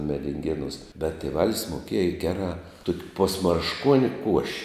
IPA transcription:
mʲɛdʲɪŋʲˈɡʲeːnuːs bʲɛt tʲeːˈʋɑːlʲɪs moːˈkʲiɛjɛ ˈɡʲæːrɑː ˈtuɔkʲ poːsmɐrʃˈkuɔnʲɪ kuɔʃʲ

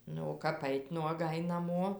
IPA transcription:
ˈnʊ oː ˈkɐp ˈɐɪtʲ nuɔˈɡɐɪ nɐˈmoː

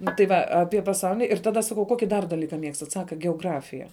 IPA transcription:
ˈnʊ tɐɪ ˈʋɐ ˈɑːpʲiɛ pɐˈsɐʊlʲɪnʲɪ ɪr ˈtɑːdɐ ˈsɑːkɐʊ ˈkoːkʲɪ dɐr dɐˈlʲiːkɐ ˈmʲiɛkstɐt ˈsɑːkɐ ɡʲɛoːˈɡrɑːfʲɪjɛ

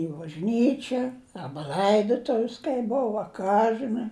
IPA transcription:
ɪ bɐʒʲˈnʲiːt͡ʃʲɛ ˈɑːbɐ lˠɐɪdoːtʊws kɐɪ ˈboːw ɐ ˈkɑː ʒɨˈnɐɪ

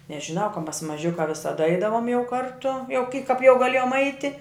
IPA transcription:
nʲɛʒʲɪˈnɐʊ kɐ mɐs mɐˈʒʲʊkɑː ʋʲɪsɐˈdɐ ˈɐɪdɐʋoːm jɛʊ ˈkɐrtʊ jɛʊ kʲɪ kɐp jɛʊ ɡɐˈlʲeːjoːm ˈɐɪtʲɪ

